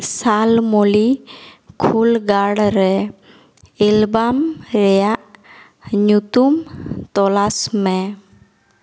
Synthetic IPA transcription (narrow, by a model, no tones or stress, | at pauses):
salmolikʰulɡaɽɾɛ | ilbamɾɛjaʔ | ɲut̪umt̪ɔlasmɛ